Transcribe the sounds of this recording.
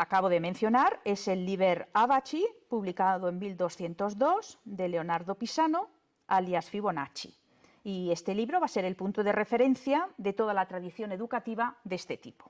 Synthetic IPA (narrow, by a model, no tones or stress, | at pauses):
akaβo̞ðe̞mẽn̟θjo̞naɾe̞se̞lːiβeɾaβat͡ʃipuβlikaðoemmild̪o̞sθje̞nt̪o̞zðo̞sd̪e̞le̞o̞naɾðo̞pisano̞ | aljasfiβ̞o̞na̰t͡ʃḭ | ie̞st̪e̞liβɾo̞β̞ase̞ɾe̞lpunt̪oðe̞rʔe̞fe̞ɾe̞n̟θjaðe̞t̪o̞ðalat̪ɾaðiθjo̞ne̞ðukat̪iβaðe̞st̪e̞t̪ipo